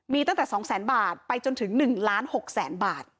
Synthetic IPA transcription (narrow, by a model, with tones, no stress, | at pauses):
miː˧t̪a˥˩ŋt̪ɛː˨˩sɔː˩˦ŋsɛː˩˦nbaː˨˩t̪̚pa˧jt͡ɕo˧nt̪ʰɯ˩˦ŋnɯ˨˩ŋlaː˦˥nho˨˩k̚sɛː˩˦nbaː˨˩t̪̚